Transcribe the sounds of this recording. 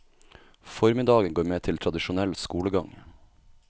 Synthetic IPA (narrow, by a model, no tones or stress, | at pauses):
fɔɾmɪd̪ɑːɡənɡoːɾmeːt̪ʰɪlt̪ʰɾɑd̪ɪʃʊnɛlskuːləɡɑŋ